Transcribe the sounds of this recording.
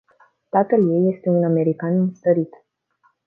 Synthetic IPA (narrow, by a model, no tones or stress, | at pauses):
t̪at̪əlje̞jːe̞st̪e̞uname̞ɾikanɨnst̪əɾit̪